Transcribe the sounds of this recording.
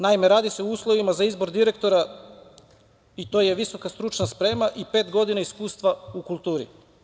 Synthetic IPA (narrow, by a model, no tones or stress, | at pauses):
naimeɾaːd̪ise̞uuːslˠo̞ʋimazaizbo̞ɾd̪iɾe̞k̚t̪o̞ɾa | it̪o̞ːjeʋiso̞kast̪ɾut͡ʃnaspɾe̞ːmaʔipe̞ːt̪ɡo̞d̪inaiskuːst̪ʋaukulˠt̪uːɾḭ